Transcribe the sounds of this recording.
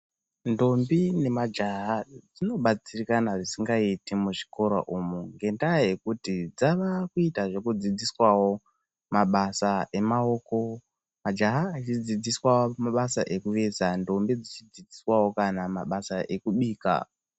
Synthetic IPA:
ndo̞mbine̞mad͡ʒaɦad͡zino̞ɓat͡sirikanaʐisiŋɡaitimuʐikʰo̞ɾo̰ʔumuŋɡe̞ndaaje̞kutid͡zaʋakuitaʐe̞kud͡zid͡ziswawo̞ | maɓasaʔe̞mao̞ko̞ | mad͡ʒaɦat͡ʃid͡zid͡ziswaomaɓasaʔe̞kuʋe̞ːzando̞mbid͡zit͡ʃid͡zid͡ziswawo̞kanama̰ɓasaʔe̞kuɓiːka̰

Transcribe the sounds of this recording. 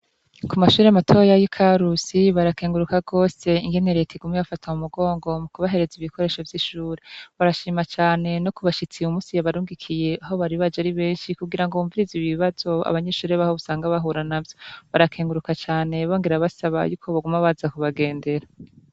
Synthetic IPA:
kumaʃuːɾeamatʰo̞ːjajikʰaɾusiβaɾakeːŋɡuɾukaɡo̞ːse̞iŋɡe̞ne̞ɾe̞tʰeɡumejafatʰamumuɡo̞ːŋɡo̞mukuβaɦe̞ɾe̞ziβikʰo̞ɾe̞ːʃo̞vjiʃuːɾeβaɾaʃiːmat͡ʃaːne̞no̞kuβaʃit͡siumuːsijaβaɾuːŋɡikʰije̞aɦo̞βaɾiβad͡ʒaɾiβe̞ːnʃikuɡiɾaŋɡouːɱviɾiziβiβaz̥o̞a̰βaɲe̞ʃuːɾeβahoβusaːŋɡaβaɦuɾanavjoβaɾakʰeːŋɡuɾukat͡ʃaːne̞βoːŋɡeɾaβasaβa̰juːkʰo̞βaɡumaβazakuβaɡe̞ːnde̞ɾa

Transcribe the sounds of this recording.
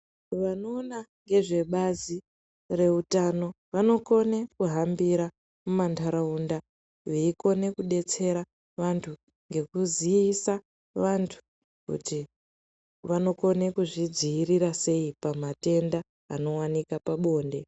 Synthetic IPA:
ʋano̞ːnaŋɡe̞ʐe̞ɓazi | re̞utano̞ | ʋano̞ko̞ne̞kuɦambiɾa | mumantaɾaunda | jeiko̞ne̞kuɗe̞t͡se̞ɾa | ʋantʰu | ŋɡe̞kuziisa | ʋantʰu̥ | kṵti | ʋano̞ko̞ne̞kuʐid͡ziːɾiɾase̞ipamate̞nda̰ː | no̞wanikapaɓo̞ːnde

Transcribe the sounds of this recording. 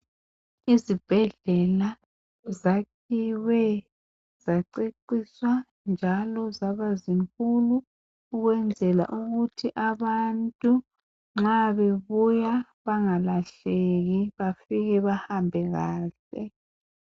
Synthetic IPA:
izib̥ʱɛɮɛla | zakʰiwɛ | z̥aǀeǀiswa | nd͡ʒʱalɔzaβaziŋkʼuluː | ɣwɛnd͡zʱɛla̰ʔuɣutʰiʔaβantʼu | ŋ͡ǁaβeβuja | βaŋalaɬeɣiβafiɣɛβahambʱɛɣaːɬɛ

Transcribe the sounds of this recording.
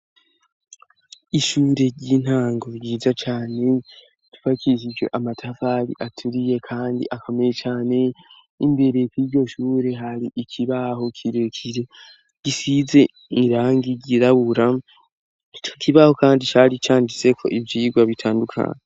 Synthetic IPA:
iʃuːɾe̞ɾɟiːn̥haːŋɡoɾɟiːzat͡ʃaːne̞ | tu̥fakiʃid͡ʒo̞̰ʔamatʰavaɾḭʔatʰuɾije̞kʰaːndḭʔako̞mejet͡ʃaːne̞ | imbe̞ɾe̞kwiɾɟo̞ʃuːɾe̞ɦaɾiʔicʰiβaho̞kʰiɾekʰiɾe | ɟ̥isize̞ | iɾaːŋɡiɟiɾaβuɾa | t͡ʃokʰiβaho̞kaːndit͡ʃaɾit͡ʃaːndit͡se̞kʰo̞̰ʔibjiːɡwaβitʰaːndukʰa̰ːɲe

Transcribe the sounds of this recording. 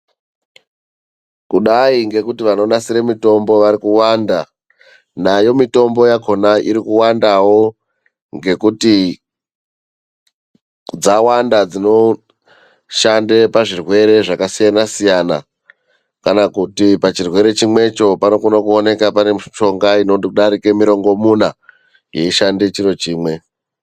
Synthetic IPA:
kuɗaiŋɡe̞kutiʋano̞ɗasiɾemito̞mbo̞ʋaɾikuwanda | najo̞mito̞mbojaɡʱo̞naʔiɾikuwandawo̞ | ŋɡe̞kuti | d͡zawandad͡zino̞ | ʃande̞paʐirwe̞ɾe̞ʐakasijanasijana̰ | kanakutipat͡ʃirwe̞ɾe̞t͡ʃimwe̞t͡ʃo̞pano̞konokuone̞kapanemʃo̞ŋɡainoɗaɾikemiɾo̞ŋɡo̞muna | je̞iʃande̞t͡ʃiro̞t͡ʃiːmwe̞

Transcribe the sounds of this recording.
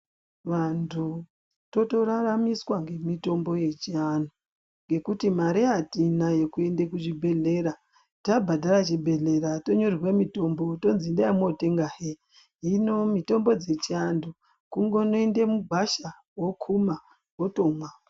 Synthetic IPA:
ʋantʰu | to̞to̞raramiswaŋɡe̞mito̞mbo̞je̞t͡ʃiano | ŋɡe̞kutimaɾiatinaje̞kue̞ndekut͡ʃibʱe̞ɮe̞ɾa | tabʱadʱaɾat͡ʃibʱe̞ɮe̞ɾato̞ɲorirwe̞mito̞mbo̞to̞nzindajamote̞ŋɡaɦe | ɦino̞mito̞mbo̞d͡ze̞t͡ʃiandu | kuŋɡo̞no̞ende̞muɡʱwaʃa | wokʰuma | wotomwa

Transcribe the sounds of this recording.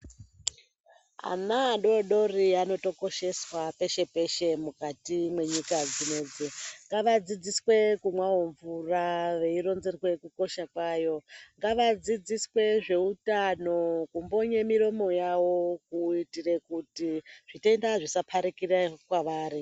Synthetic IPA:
a̰naːɗo̞ɗo̞riano̞to̞ko̞ʃe̞swape̞ʃe̞pe̞ʃe̞mukatimwe̞ɲikad͡zine̞ːd͡zeŋɡaʋad͡zid͡ziswe̞kumwaɦoɱvuraʋe̞iro̞nzerwe̞kuko̞ʃakwaːjo̞ŋɡaʋad͡zid͡ziswe̞ʐe̞utano̞kumbo̞ɲemiɾo̞mo̞jawo̞kuitire̞kutiʐ̥itendaʐisapʰaɾikirakwaʋaːɾi

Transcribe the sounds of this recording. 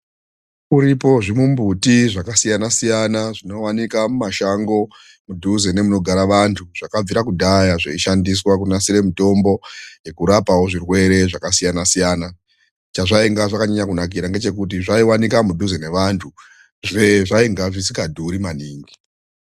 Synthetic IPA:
uɾipo̞ʐimumbutiʐakasijanasijanaʐino̞wanikamumaʃaŋɡo̞ | mudʱuzene̞muno̞ɡʱaɾaʋantʰuʐ̥akab͡viɾakudʱajaʐeiʃandis̬wak̬unasiɾe̞mito̞mbo̞je̞kuɾapawo̞ʐirwe̞ɾe̞ʐakasijanasijaːna | t͡ʃaʐaiŋɡaʐakaɲaɲakunak̬iɾaŋɡe̞t͡ʃe̞k̬ut̬iʐaiwanikamudʱuzene̞ʋantʰu | ʐeʐaiŋɡaʐisikadʱuɾimaniːŋɡi

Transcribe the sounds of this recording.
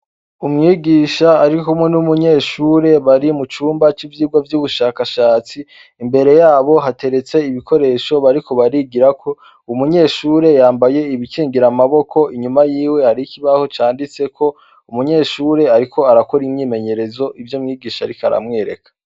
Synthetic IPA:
umŋiːɡiːʃaːɾikomŋenumuɲeːʃuːɾe̞βaɾimut͡ʃuːmbat͡ʃivjiːɡwavjuβuʃakaʃaːt͡siː | mbe̞ɾe̞jaːβo̞ɦate̞ɾe̞t͡se̞iβiko̞ɾe̞ːʃo̞βaɾiko̞βaɾiɡiɾakʰo̞ | umuɲe̞ːʃuːɾe̞jaːmbaje̞iβikʰiːŋɡiɾamaβo̞kʰo̞ʔiɲumajiːwe̞haɾikiβaho̞t͡ʃaːndit͡se̞kʰo̞ | umuɲe̞ːʃuːɾe̞aɾiko̞aɾakoɾimɲiːme̞ɲe̞ɾe̞zo̞ʔivjomŋiːɡiːʃaɾikʰaɾa̰mŋe̞ːɾe̞̰kḁ

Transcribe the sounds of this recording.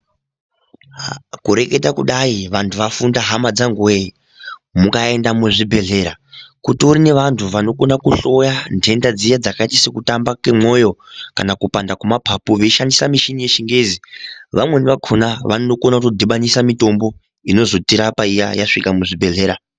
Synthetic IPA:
kuɾe̞ke̞takuɗaiʋantʰuʋafundaɦamad͡zaŋɡue | mukae̞ndamuʐibʱe̞ɮe̞ɾakutiuɾine̞ʋantʰuʋano̞konakuɬo̞jande̞ndad͡zijad͡zakaitisekutambakemo̞jo̞kanakupandakumapʰapuʋeiʃandisamiʃinije̞ʃiŋɡeːziʋamwe̞niʋakʰonaʋannokonautodʱiɓaɲisamito̞mbo̞ | ino̞zo̞tiɾapaija̰jaʂikamuʐibʱe̞ɮe̞ːɾa

